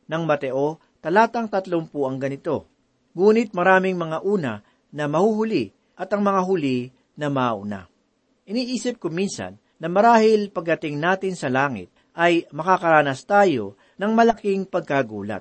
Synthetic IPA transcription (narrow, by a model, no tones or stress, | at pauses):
nɐŋmɐt̪ɛʔo̞ | t̪ɐlaːt̪ɐŋt̪ɐt̪loŋpuɐŋɡɐnɪt̪o̞̰ | ŋuːnɪt̪̚mɐɾaːmɪŋmɐŋaʔuːnɐ̰ | nɐmɐhuhʊli | ʔɐt̪ɐŋmɐŋaɦʊli | nɐmɐʔʊna̰ | ʔɪniːʔiːsɪp̚kʊminsɐ̰nːɐmɐɾaːhɪlpɐɡ̚d̪ɐt̪ɪŋnaːt̪ɪnsɐlaːŋɪ̰t̪̚ | ʔɐjmɐkakɐɾaːnɐst̪aːjo̞̰ | nɐŋmɐlɐkɪŋpɐɡ̚kaɡṵːlɐ̰t̪̚